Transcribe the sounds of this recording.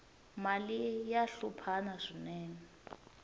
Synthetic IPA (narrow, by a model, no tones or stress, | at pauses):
malijaɬupʰanaʂinɛːnɛ